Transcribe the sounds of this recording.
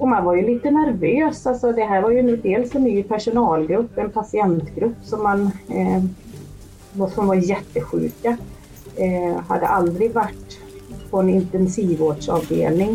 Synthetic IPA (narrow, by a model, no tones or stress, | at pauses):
ɔmanvaɾjɵliːt̪ənæɾvøːsalsɔd̪ɛɦæːɾvaɾjɵnd̪eːlsɛnnːyːpʰæʂʊnɑːlɡɾɵpːɛnpʰasɪɛnt̪ɡɾɵpːsɔmːan | vɔsɔmvaɾjɛt̪ːəɧʉ̟̰ːka | ɦa̰d̪ːə̰ʔald̪ɾɪɡvaʈː | pʰɔɛnɪnt̪ɛnsiːvoːɖʂɑ̰ːvd̪ḛːlnɪŋ